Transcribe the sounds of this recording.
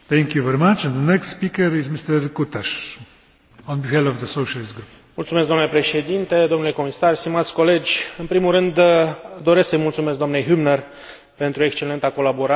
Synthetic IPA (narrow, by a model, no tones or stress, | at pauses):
θɛ̃ŋkjuvɛɾimat͡ʃɛ̃nd̪ənɛkst̪spikəɾizmist̪əɾkut̪aʃ | ɔ̃nbiɦɛlɔvðəsoʃalisɡɾup | mult̪sumesɡ̪d̪oamnlepɾe̞ʃe̞d̪int̪e̞d̪oomnule̞ko̞misarst̪imat̪sʲko̞le̞d͡ʒʲɨnpɾimulrɨnd̪d̪o̞ɾe̞sksəjmult̪sume̞sk̚d̪oamne̞jɦubnər | pe̞nt̪ɾuekst͡ʃe̞le̞nt̪ako̞laboɾa